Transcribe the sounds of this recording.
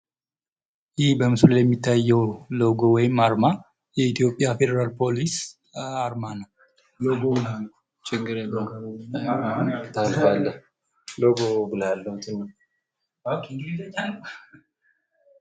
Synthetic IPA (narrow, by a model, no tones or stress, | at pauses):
jɪhbəmɨsljɛmːit̪ʰːajːɛwloɡo̞wɔjɪmːaɾma | jɛit̪ʰijo̞pʼːjafe̞d̪əɾalpʰo̞lis | aɾmanəw | loɡobɨlalː | t͡ʃʼɪɡɨɾeo | t̪ʰalfalːə | loɡobɨlalːəht̪ʰɨnːəw | akɡit̪ət͡ʃʼːalː